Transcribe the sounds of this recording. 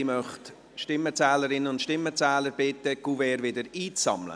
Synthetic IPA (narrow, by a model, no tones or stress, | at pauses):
imœχt | ʃtɪmət͡sɛːləɾɪnəʊntʃtɪmːət͡sɛːləɾb̥ɪtəɡ̥uvɛːɾvɪdəɾiːt͡sɑ̰mlə̰